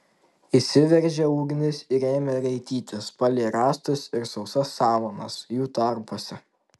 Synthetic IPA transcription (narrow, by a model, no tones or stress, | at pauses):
isʲɪʋʲɛɾʲʒʲɛuːɡʲnʲɪsɪɾeːmʲɛɾɐɪt̪ʲiːt̪ʲɪspɐlʲeːɾɑːst̪ʊsɪɾsɒʊsɐsːɑːʋonɐ̰sjuːt̪ɐɾpoɔsʲɛ